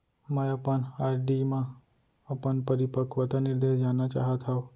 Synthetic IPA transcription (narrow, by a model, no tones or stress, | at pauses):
mə̃japəɳaɾɖimã | apəɳpəɾipəkʋət̪aniɾd̪esd͡ʒanat͡ʃa̰ɦət̪ʰɦau